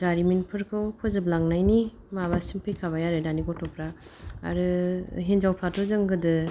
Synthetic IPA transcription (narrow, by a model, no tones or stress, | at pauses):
d͡ʒaɾiminpʰɯɾkʰɯwpʰɯzɯblaŋnajni | maβasimpʰɯjkʰaβajaɾɯdaniɡɔtʰɔpɾa̰ː | ɾɯɦend͡ʒawpʰɾatɔzɯŋɡɯdɯ